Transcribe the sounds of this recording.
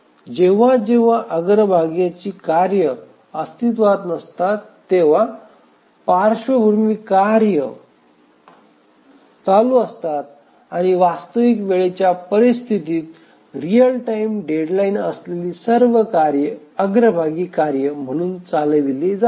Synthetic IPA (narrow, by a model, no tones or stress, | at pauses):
d͡ʑeʋ̤ãd͡ʑeʋ̤aʔəɡɾəbʱaɡjat͡ɕiːkaɾjə | əst̪it̪̬ʋat̪nəst̪at̪ːeʋ̤a | paɾɕəbʱuɾmiːkaɾjə | t͡saluəst̪at̪̚ | aɽ̃iʋast̪əʋikʋeɭet͡ɕjapəɾist̪ʰit̪iːt̪ | ɾijəlʈaimɖeɖlainəsleliːsəɾʋəkaɾjəəɡɾəbʱaɡiːkaɾjəm̤əɽ̃uːnt͡saləd̪ilid͡za